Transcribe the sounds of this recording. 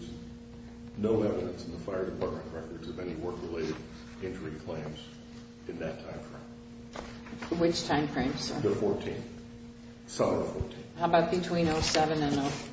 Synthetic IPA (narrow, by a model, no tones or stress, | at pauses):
z | noʊɛvɨɾɨ̃nsn̩ðəfaɪə˞dɨpʰɑɹt̚mɨ̃nʔɹɛkə˞zʌvɛniwɜ˞kɹɨleɪɾɨɾ | ɛ̃nt͡ʃə˞ɪ̃ŋkʰl̥ẽɪ̃mz | ɨ̃nðɨtʰãɪ̃mtʰɹ̥ã̰ɪ̃ | wɪt͡ʃtʰãɪ̃mfʰɹ̥ẽɪ̃m̥sə̰˞ðəfɔɹtʰĩnθ | sɑlə˞fɔ̰ɹtʰĩnhaʊbaʊt̚b̥ɨtʰw̥ĩnoʊsɛvɨ̃nɨ̃noʊ